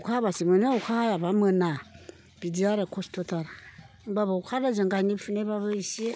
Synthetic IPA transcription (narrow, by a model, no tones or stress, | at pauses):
ukaβasimeneukʰahajaβamena | bid͡ziaɾekostotaɾa | mbaβaukʰaɾazaŋɡaɲibifuneβaβaisie